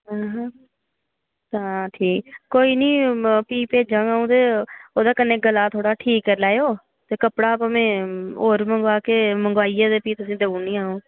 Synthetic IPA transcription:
ɦãːɦ | t̪ãːʈʰiːkkoːiːnĩːpiːpeːd͡ʒãːaːũːt̪eːoːd̪aːkənẽːɡəlaːt̪ʰoːɽaːʈʰiːkːəɾlaːoː | t̪eːkəpɽaːpamẽːoːɾməŋɡaːkeːməŋɡʋaːiːjaːd̪eːpiːt̪ʊsĩːd̪eũːnĩːaːũː

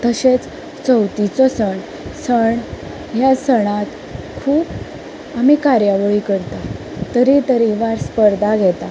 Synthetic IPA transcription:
t̪əɕet͡s | t͡səwt̪it͡sɔsəɳ | səɳ | ɦjasəɽ̃at̪ | kʰuːp | amikaɾjaʋəɭikəɾt̪a | t̪əɾit̪əɾiʋaɾspəɾd̪ʱaɡʱɛt̪a

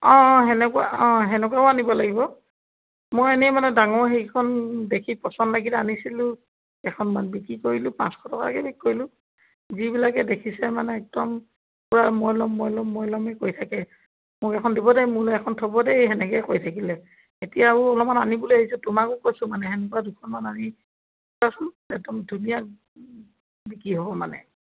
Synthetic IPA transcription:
ɔ̃ɦɛnɛkuwa̰ɔ̃ɦɛnɛk̬waʊanibɔlaɡibɔ | mojenɛmanɛdaŋɔɹɦejkʰɔndekʰipɔsɔndlaɡilɛanisilʊ̃ | ɛkʰɔnmanbikɹikoɹilʊpã̰skʰɔtʰɔkala̰kɛbikkoɹilʊ | zibilakɛdekʰisɛmanɛːk̚dɔm | puɹamɔjlɔmːɔjlɔmːɔjlɔmɛkoɹjtʰakɛ | mʊkɛkʰɔndibɔdɛjmʊlɛɛkʰɔntʰɔbɔdɛɦɛnɛkɛjkojtʰakilɛ | etijauɔlɔmananibuluahisʊtʊmakʊkojsʊmanɛɦɛnɛkɔadukʰɔnmanani | tasɔn | ɛk̚dɔmdʱunijak | bikɹiɦobɔmanɛ̰

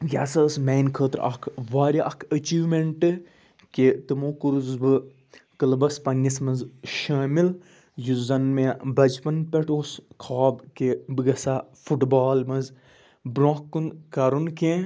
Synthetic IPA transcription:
jasɐːsmeːnkʰəːt̪ɾʔɐ̰kʰʋaːɾʲiʔɐkʰɐt͡ʃiːʋmeɳʈɨ | ket̪ɨmoːkuɾuzbɨ | kɨlbɐspɐnːɐsmɐnzʃaːmil | juzɐnmebɐd͡ʒpɐnpʲeʈoːskʰaːbkebɨɡɐsafuʈbaːlmɐz | bɾõːkːunkɐɾunkẽ

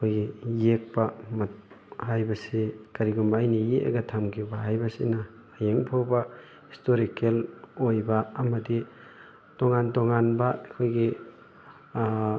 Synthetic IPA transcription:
ɐkʰojɡijek̚pamat̚ | hajbɐsekaɾiɡumbaːjnijeʔa̰ɡɐtʰamkʰibaɦajbɐsḭnɐ | ajeŋpʰowba | histoɾikelojbɐːmɐdi | toŋantoŋanbakʰojɡi

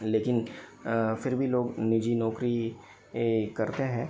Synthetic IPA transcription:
leːkɪn | fɪɾbʱiloːɡnɪd͡ʒinɔːkɾi | kɐɾt̪eɦɛ̃ː

